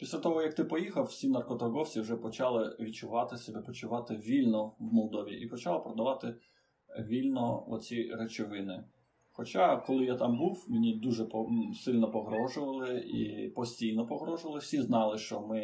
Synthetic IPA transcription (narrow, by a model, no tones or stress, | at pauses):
pʲisʲlʲat̪ɔɦɔjɐk̚t̪ɪpɔjixɐwsʲinɐrkɔt̪ɐrɡɔwt͡sʲiwʒɛpɔt͡ʃɑlˠɪʋʲit͡ʃʊʋɑt̪ɪsʲɛbɛpɔt͡ʃʊʋɑt̪ɪʋʲilʲnɔwmɔlˠd̪ɔʋʲḭʔipɔt͡ʃɑlˠɐpɾɔd̪ɐʋɑt̪ɪ | ʋʲilʲnɔɔ̰t͡sʲiɾet͡ʃɪʋɪnɪ | xɔt͡ʃaɑkɔlˠɪjat̪ɑmbuwmʲinʲid̪uʒɛpɔsɪlʲnɔpɔɦɾɔʒʊʋɐlˠɪḭpɔsʲtʲijnɔpɔɦɾɔʒʊʋɐlˠɪwsʲiznɑlˠɪʃt͡ʃɔmɪ